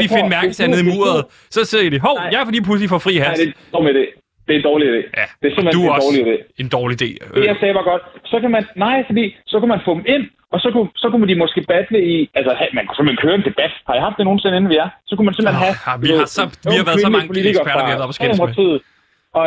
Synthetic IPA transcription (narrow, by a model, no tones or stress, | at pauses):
ifemæɐɡ̥əsʰæð̩ˠimṵɐð̩ˠ | sɒ̽se̝ð̰ˠid̥eɦɒʊ̰jɑfd̥ḭːpʰlus̬lifɒ̽fʁḭːɦæɐe̥ɒːid̥ḛː | d̥e̝nd̥ɒːliid̥e̝̰ːjæd̥eæɐsemleduɒːliid̥e̝̰ːe̝nd̥ɒːlid̥e̝̰ːasɛːʋɑ̈ɡ̥ɒ̽d̥sɒ̽kʰæmænːɑ̈ɪ̰fɒd̥ḭːsɒ̽kumænfɔ̽d̥em̩e̝n̰ | ɒ̽sɒ̽kʰusɒ̽kumd̥imɒ̽sɡ̥e̝̰ːb̥æd̥ləiælsəhæmænksem̩lenkʰøːɐend̥e̝b̥æd̥hɑ̈ihɑ̈fd̥e̝no̝ːn̩se̝ne̝n̩ʋiæɐsɒ̽kumænsemlennɦæɑʋisɒʋihɑ̈ʋæːɐðˠsɒɑ̈ŋpoliiɡɐfæɐɐɡelɐb̥ɒsɡ̥eeo̥mt͡sʰḭːð̩ˠ | ɒ̽